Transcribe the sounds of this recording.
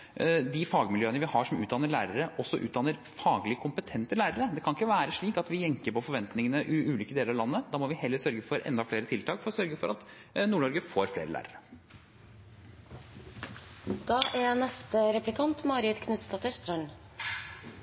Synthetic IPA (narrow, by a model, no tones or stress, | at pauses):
d̪ɪfɑːɡmɪljøːənəʋɪhɑʂɔmʉːd̪ɑnəɭæːɾəɾəʔɔsːɔʔʉ̰ːt̪d̪ɑnːəɾ | fɑːɡlɪkʰʊmpət̪ʰɛnt̪əlæːɾəɾəd̪ɛkʰɑnɪkːəʋæːɾəʂɭiːkɑt̪ʋɪjɛŋkəɾpɔfɔɾʋɛnt̪nɪŋənəʔiʔʉːliːkəd̪eːləɾɑʋlɑnːəd̪ɑːmɔʋɪhɛlːəɾsœɾɡəfɔɾɛ̰nd̪ɑfleːɾət̪ʰɪlt̪ʰɑːkfɔɾɔsœɾɡəfɔɾɑt̪nuːɳɔɾɡəfoːɾflḛːɾəlæ̰ːɾəɾə | d̪̥ɑːʔɛnɛst̪əɾɛplɪkʰɑnt̪mɑːɾɪd̪kʰnʉt̪st̪ɑt̪əʂt̪ɾœn